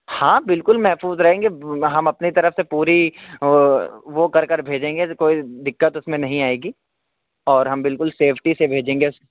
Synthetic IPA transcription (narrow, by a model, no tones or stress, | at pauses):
hãːbɪlkʊlmɛɦfuːzɾɐɦẽːŋɡeɦɐmɐpnit̪ɐɾəfsepuːɾi | ʋokɐɾkɐɾbʱeːd͡ʒẽːŋɡekoːid̪ɪkːət̪ʊsmẽnɐɦĩaːeːɡiː | ɔːɾɦɐmbɪlkʊlseːpʰʈisebʱeːd͡ʒẽːŋɡeʊs